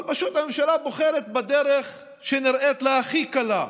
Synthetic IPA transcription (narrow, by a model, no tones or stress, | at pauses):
lpaʃut̪ame̞mʃalaboχeɾet̪̚bad̪eɾeχ | ʃeniɾʔet̪leaχikala